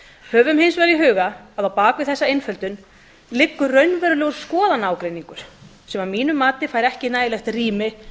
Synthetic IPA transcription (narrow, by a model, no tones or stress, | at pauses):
hœːvʏmhɪjnsvɛɾiɦʏːɣaːðawpaːkvɪðθɛsːaejnfœlt̪ʏn | lɪkːʏrœɥnvɛɾʏlɛɣʏɾ̥skɔːðanaːwkɾejniŋkʏɾ̥ | sɛmamiːnʏmːaːt̪ɪfaːjɾɛhcɪnaːjɪlɛxt̪riːmɪ